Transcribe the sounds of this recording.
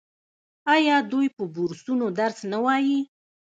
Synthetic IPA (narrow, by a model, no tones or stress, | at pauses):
ɑjɑd̪ujpəbuɾsunod̪aɾsnawɑji